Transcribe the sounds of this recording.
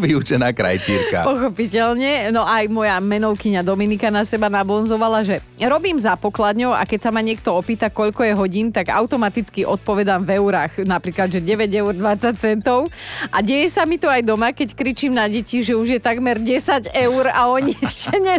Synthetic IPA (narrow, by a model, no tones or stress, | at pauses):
ʋiut͡ʃɛnaːkɾa̰jt͡ʃiːɾka̰pɔxɔpicɛʎɲɛnɔʔajmɔjamɛnɔʊkiɲad̪ɔminikanasɛbanabɔnzɔʋalaʒɛ | ɾɔbiːmzapɔklad̪ɲɔʊa̰kɛcsamaɲɪɛk̚t̪ɔɔpiːt̪akɔʎkɔjɛɦɔɟiːnt̪aɡa̰ʊt̪ɔmat̪it͡skiʔɔt̪̚pɔʋɛd̪aːmvɛʊɾaːxnapɾiːklad̪ʒɛɟɛʋɛɟɛʊrd̪ʋat͡sac̚t͡sɛnt̪ɔʊʔaɟɛjɛsamit̪uajd̪ɔmakɛckɾit͡ʃiːmnaɟɛciʒɛuʒjɛt̪aɡmɛɾɟɛsaɟɛʊwɾa̰ɔɲiɛʃcɛɲɛ